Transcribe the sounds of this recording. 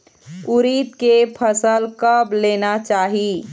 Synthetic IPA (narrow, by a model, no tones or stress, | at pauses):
uɾit̪kepʰəsəlkəbleːnat͡ʃaːɦi